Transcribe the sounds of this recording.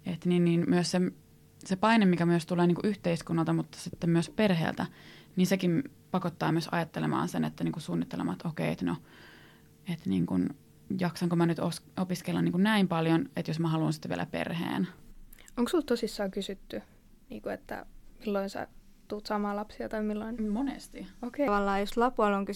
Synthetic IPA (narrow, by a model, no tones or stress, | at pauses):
et̪ninniːnmyøsse | sepɑinemmikæmyøst̪uleːniːŋkuʔyht̪eiskunːɑlt̪ɑmut̪ːɑ̥sit̪ːemmyøsperɦḛːlt̪æniːnsekimpɑkot̪ːɑːmyøsɑ̰jɑt̪ːelemɑ̰ːnsenḛt̪ːæniːŋkusuːnːit̪ːelḛmɑ̰t̪okeiḛt̪no | et̪nḭːŋkun | jɑksɑŋkomænyt̪osopiskelːɑniːŋkunnæimpɑljonet̪josmæhɑluːnsi̥t̪ːʋiḛlʔæ̰pḛrhḛːn | oŋksult̪t̪osisːɑːkysyt̪ːy | nḭːŋkuet̪ːæ̰milːoinsæ̰ | t̪uːt̪sɑmɑːlɑpsiɑt̪ɑimilːoinmonḛst̪iokeʋɑlːɑːjoslɑpuɑloŋky